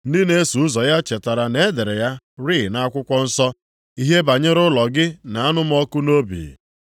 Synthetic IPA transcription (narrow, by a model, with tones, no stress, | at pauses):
n̩˦dɪ˦ne˦su˨ʊ˦zɔ˨ja˦t͡ʃe˨ta˨ɾa˨ne˦de˨ɾe˨ja˦ | ɾi˦˨na˦a˦kʷʊ˦kʷɔ˦n̩˦sɔ˦ | i˦ɦe˦ba˨ɲɪ˦ɾʊ˦lɔ˨ɡɪ˦na˨a˦nʊ˦m̩˦ɔ˦kʊ˦no˦bḭ˨